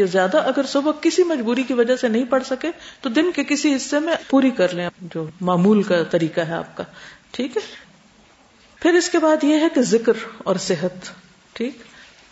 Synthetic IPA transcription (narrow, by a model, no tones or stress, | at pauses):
jezjaːd̪aʔɐɡəɾsʊbəkɪsimɐd͡ʒbuːɾikiʋɐd͡ʒasenɐɦĩpɐɽsɐket̪od̪ɪnkekɪsiɦɪsːemẽpuːɾikɐɾlẽd͡ʒoːmaːmuːlkat̪ɐɾiːkaɦɛa̰ːp̚kaːʈʰiːkɦɛ | pʰɪɾɪskebaːd̪jeɦɛkezɪkɾɔ̰ːɾsɪɦət̪ | ʈʰiːk